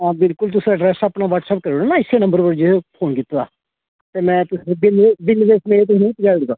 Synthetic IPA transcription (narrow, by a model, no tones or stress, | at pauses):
ãːbɪlkʊlt̪̬ʊsɾaːɖɾɛːsaːpnaːʋəʈsɛːp̚kəɾoːɽanaːɪsːeːnə̃mbəɾʋəɽd͡ʒepʰoːnkɪt̪ːa̰ː | t̪eːmɛ̃ːt̪ʊsebɪlbɪlʋeːsmeːɾeːt̪ʊsnẽpəd͡ʒaːɽɡ̪aː